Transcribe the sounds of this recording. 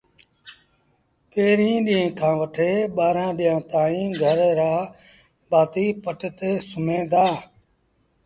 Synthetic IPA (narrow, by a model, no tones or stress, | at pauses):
peːɾĩːɗiẽːkʰãːʋəʈʰeːɓaːɾãːɗɪːãːt̪aːĩːɡʱəɾɾaː | baːt̪iːpəʈt̪eːsʊmẽːd̪aː